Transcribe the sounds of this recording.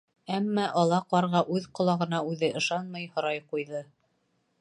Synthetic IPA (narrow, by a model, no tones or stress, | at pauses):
æmːæʔɒlˠɑqɑɾʁɑʔʉðqŏlˠɑʁɤ̆nɑʉðɘʔɤ̆ʃɑnmɤjhŏɾɑjqujðɤ